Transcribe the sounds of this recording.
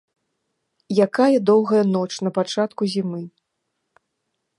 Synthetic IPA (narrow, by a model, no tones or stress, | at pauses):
jakajɐd̪ɔwɣɐjɐnɔt͡ʂnɐpat͡ʂat̪kuzʲimɨ